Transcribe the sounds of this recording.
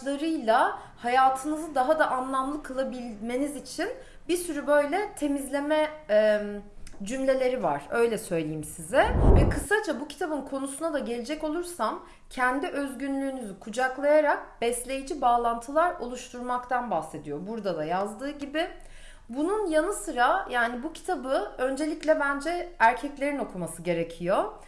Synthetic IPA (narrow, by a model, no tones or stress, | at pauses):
lˠaɾɯjlˠa | hajaːt̪ʰɯnɯzɯd̪aɦad̪aʔanlˠamlˠɯkʰɯlˠabilʲme̞nizit͡ʃʰin | biɾsyɾybø̞jlʲɛt̪ʰe̞mizlʲe̞mɛ | d͡ʒymlʲe̞lʲe̞ɾiva̰ɾ̥ø̞jlʲɛsø̞jlʲejimsizɛvɛkʰɯsat͡ʃʰabucʰi̥t̪ʰabɯnkʰo̞nusunad̪aɟe̞lʲed͡ʒɛco̞lˠuɾsam | cʰɛnd̪iʔø̞zɟynlʲyːnyzykʰud͡ʒaklˠajaɾak̚b̥ɛslʲe̞jid͡ʒibaːlˠant̪ʰɯlˠaɾo̞̰lˠuʃt̪ʰuɾmakt̪ʰanbaxse̞d̪ijo̞buɾd̪ad̪ajazd̪ɯːɟibɪ | bununjanɯsɯɾajaːnibucʰi̥t̪ʰabɯø̞nd͡ʒe̞lʲiclʲɛbænd͡ʒɛæɾcʰɛclʲe̞ɾino̞kʰumasɯɟe̞ɾe̞cʰijo̞